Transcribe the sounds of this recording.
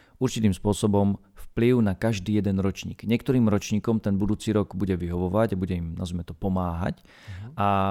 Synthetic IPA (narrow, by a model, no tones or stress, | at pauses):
uɾt͡ʃit̪iːmspʊɔsɔbɔmfpliʊnakaʒd̪iːjɛd̪ɛnɾɔt͡ʃɲḭːɡ̥ɲɪɛkt̪ɔɾiːmɾɔt͡ʃɲiːkɔmt̪ɛnbud̪uːt͡siːɾɔɡbuɟɛʋiɦɔʋɔʋaɟabuɟɛimnazmɛt̪ɔpɔmaːɦa̰c | ʔa